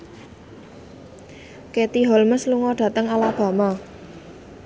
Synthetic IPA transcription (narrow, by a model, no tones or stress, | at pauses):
kɛt̪iɦɔlməsluŋɔɖ̥ä̤t̪əŋalab̥ä̤ma